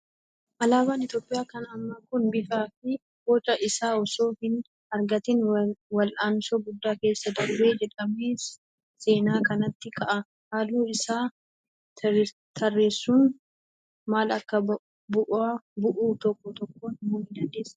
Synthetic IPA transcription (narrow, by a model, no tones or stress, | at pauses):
ʔɐlaːbaːnɪt̪o̞ːpʼːɪjaːkɐnɐmːɐkʊnbɪfaːfɪ | boːt͡ʃːɐʔɪsaːɔso̞ːhɪn | ɐɾɡɐt̪ɪnwɐlʔaːnsoːɡʊd̪ːaːke̞ːsːɐd̪ɐɾbeːd͡ʒɛᶑɐmeːs | se̞ːnaːkɐnɐt̪ːɪkɐʔɐ | haːluːɪsaː | t̪ʰɐrːe̞ːsːuːn | maːlɐkːɐ | bʊʔaːbʊʔuːt̪ɔkːɔt̪ɔkːoːnmoːmɪd̪ɐnd̪eːsːɐ̥